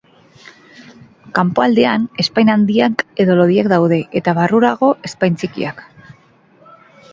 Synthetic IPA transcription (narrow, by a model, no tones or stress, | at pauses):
kampo̞ald̪e̞ane̞spajnand̪iake̞ðo̞lo̞ðiakd̪awðe̞ʔet̪aβaruɾaɣ̞o̞ʔe̞spajnt͡sikḭak